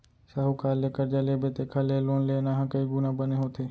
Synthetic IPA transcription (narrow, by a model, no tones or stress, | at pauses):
saːɦukaːlːeːkəɾd͡ʒaleːbeːt̪eːkʰəleːloːnleːnaːɦãkəiɡunabəneːɦoːt̪ʰeː